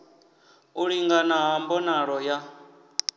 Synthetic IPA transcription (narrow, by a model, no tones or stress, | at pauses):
uɺiŋɡanaɦambɔnaɺɔja